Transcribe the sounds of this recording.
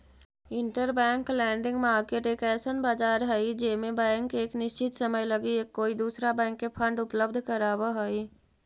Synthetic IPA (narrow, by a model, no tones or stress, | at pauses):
ɪ̃ɳʈəɾbɛ̃ːŋklɛ̃ːɳɖɪ̃ŋɡmaːɾkeːʈeːkɛːsənbaːd͡ʒaːɾɦɛid͡ʒeːmẽbɛ̃ːŋkeːknɪʃt͡ʃɪt̪səməjləɡiekːoːid̪uːsɾabɛ̃ːŋkːepʰə̃ɳɖʊpləb̚d̪ʱkəɾaːwaɦəi